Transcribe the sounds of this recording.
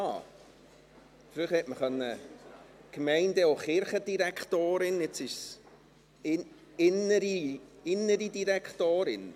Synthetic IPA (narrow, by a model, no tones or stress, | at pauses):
ɑ | fɾyχɛtməχœnːə | kmɛɪndəoχɪɾχəd̥iɾækʰtoːɾɪnɛt͡sɪʃs | ɪ | ɪnəɾiɪnːəɾidiɾækχt̪oːɾɪn